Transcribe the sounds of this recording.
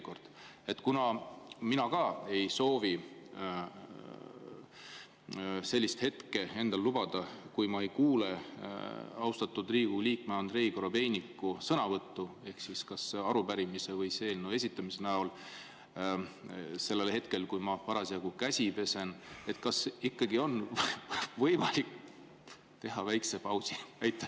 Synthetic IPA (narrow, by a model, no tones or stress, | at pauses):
ko̞rd̪̥e̞t̪ːˑkunɑminɑkɑe̞jso̞ːvi | se̞lʲːist̪he̞t̪ke̞e̞nd̪ɑllub̥ɑd̪̥ɑkujmɑe̞jkuːle̞ | ɑwst̪ɑt̪ːˑud̪riːɡ̥uliːkmeɑnd̪̥re̞ikoɾo̞be̞jnikːˑusɤnɑvɤt̪ːue̞hksiskɑseɑɾubæɾimise̞vɤjse̞ːlnue̞sʲit̪ːˑɑmisenæol | se̞lːe̞lhe̞t̪ke̞lkujmɑpɑɾɑsiɑɡ̥ukæsʲipe̞se̞ne̞t̪kɑsikːɑɡio̞n | vɤjmɑlik | t̪e̞ɦɑvæjksepɑwsiæjt̪ːˑɑ